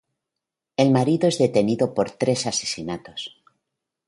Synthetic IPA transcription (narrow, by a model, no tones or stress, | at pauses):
e̞lmaɾiðoezðe̞t̪e̞niðo̞po̞ɾt̪ɾe̞sase̞̥sinat̪o̞s